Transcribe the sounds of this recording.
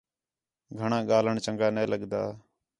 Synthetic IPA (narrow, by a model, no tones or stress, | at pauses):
ɡʱəɳãːɠaːləɳt͡ʃəŋɡaːneːləɠd̪aː